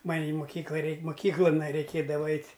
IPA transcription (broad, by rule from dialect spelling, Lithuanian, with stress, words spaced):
ˈmɐnʲ ɪ moːˈkʲiːklˠɐ ˈrʲɛɪk moːˈkʲiːklˠɐn rɐɪˈkʲeːdɐʋɐ ˈɛɪtʲ